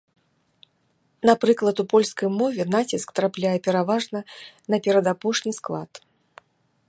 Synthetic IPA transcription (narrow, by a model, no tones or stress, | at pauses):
napɾɨklˠɐt̪upɔlʲskɐjmɔvʲɛnat͡sʲiskt̪ɾaplʲajɛpʲɛɾavaʐnɐnɐpʲɛɾɐd̪apɔʂnʲisklˠa̰t̪